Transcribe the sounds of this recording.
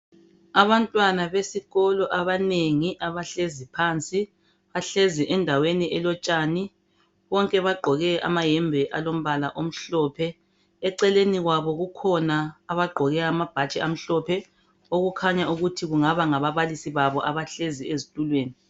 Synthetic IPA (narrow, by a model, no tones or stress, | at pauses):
aβantʼwanaβesiɣɔlɔʔaβaneŋiʔaβaɬezipʰaːnt͡sʼi | βaɬeziʔɛndʱaweniʔɛlɔt͡ʃʼaːni | βɔŋkʼɛβaɡ͡ǃʱɔɣɛʔa̰majɛmbʱɛʔalom̩βalaʔom̩ɬɔpʰɛ | ɛǀɛleniɣwaβɔɣukʰɔnaːβaɡ͡ǃʱɔɣɛːmab̥ʱat͡ʃʼɛam̩ɬɔpʰɛ | oɣukʰaɲauɣutʰiɣuŋaβaŋaβaβalisiβaβɔʔaβaɬeziezitʼulweːni